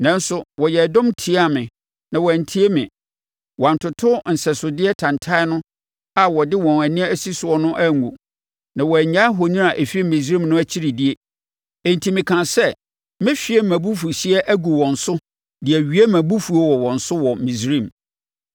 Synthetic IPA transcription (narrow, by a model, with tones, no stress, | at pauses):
nã˦n˦sʊ˨wɔ˨jɛ˨dɔ̃˦mtʰi˨˦a˦˨mɪ̃˨ | nã˨wɔ˨æ˨n̩˨tʰi˦e˦mɪ̰̃˨ | wɔ˨n̩˨tʰʊ˨tʰʊ˦n̩˨sɛ˨sʊ˨dɪ˦ɛ˦tʰã˨ntʰa˦ɪ˦nʊ̃˦ | a˨wɔ˨dɪ˦wɔ̃˨næ˨nɪ̃˦æ˨si˦sʊ˨ɔ˦nʊ̃˦ʔæ˦˨ɡu˨ | nã˨wɔ˨æ˨ɲã˦ɦo˨nĩ˦a˨ʔe˨fi˦e˦mĩ˨sĩ˦mnʊ̃˦æ˦t͡ɕʰi˦ɾi˨di˦e˦ | ẽ˨n˨tʰi˨mɪ̃˨kʰã˨sɛ˦ | mɪ̃˦fi˨e˦mæ̃˨bu˦fu˨si˦ɛ˦ʔæ˦ɡu˨wɔ̃˨n̩˨sʊ˦ | dɪ˨æ˨ɥi˨˦æ˦mæ̃˨bu˦fu˨o˦wɔ˨wɔ̃˨n̩sʊ˦wɔ˨mĩ˨sɾĩ˦˨m